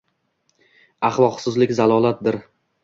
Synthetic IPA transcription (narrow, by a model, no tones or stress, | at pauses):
ɑχlˠɒqsɪzlɪkʲzalˠɒlˠat̪̚d̪ɪɾ